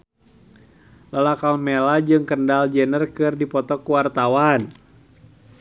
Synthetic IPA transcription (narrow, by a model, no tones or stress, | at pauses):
lalakalmelad͡ʒɨŋkəndald͡ʒɛnərkɨrdipɔt̪ɔkuwart̪awan